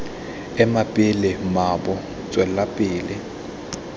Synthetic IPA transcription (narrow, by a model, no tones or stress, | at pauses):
ɛmapʼɪlɪmabʊ | t͡sʼwɛlapʼɪːlɪ